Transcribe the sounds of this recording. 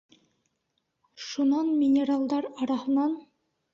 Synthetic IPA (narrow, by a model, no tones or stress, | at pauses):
ʃunɑnmʲɪnʲeralˠd̪ɑɾɑɾɑhɤ̆nɑn